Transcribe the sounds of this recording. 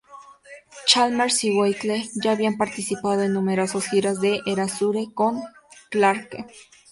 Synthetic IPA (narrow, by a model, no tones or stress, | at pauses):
t͡ʃalmaɾsiwejt̪leʝaːβiampaɾt̪isipaðoenːumeɾosasxiɾaz̬ðeʔeɾasuɾekoŋklaɾke